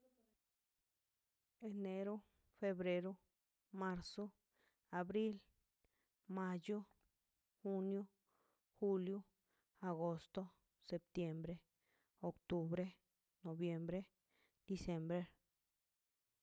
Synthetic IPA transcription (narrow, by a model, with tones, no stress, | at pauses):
e˨ne˧ɾo˦ | fe˧βɾe˧ɾo˦ | ma˧ɾso˦ | a˨βɾi˦l | ma˧jo˦ | xu˦njo˦ | xu˧ljo˦ | a˨ɣo˧st̪o˦ | se˧p̚t̪je˧mbɾe˦ | o˨kt̪u˧βɾe˦ | no˨βje˧mbɾe˦ | d̪̥i˧sje˧mbɾe˦ɾ